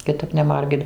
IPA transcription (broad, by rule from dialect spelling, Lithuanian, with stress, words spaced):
kʲɪˈtɐp nʲɛˈmɐrʲɡʲɪt